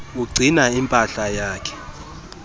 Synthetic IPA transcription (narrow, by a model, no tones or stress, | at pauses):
uɡ͡ǀʱinaimpʼaɬajaːkʰɛ̥